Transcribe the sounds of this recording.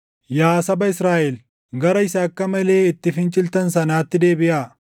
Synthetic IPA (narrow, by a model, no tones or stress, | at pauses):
jaːsɐbɐɪsɾaːʔɛl | ɡɐɾɐɪsaːkːɐmɐle̞ːɪt̪ːɪfɪnt͡ʃʼɪlt̪ɐnsɐnaːt̪ːɪd̪e̞ːbɪʔaː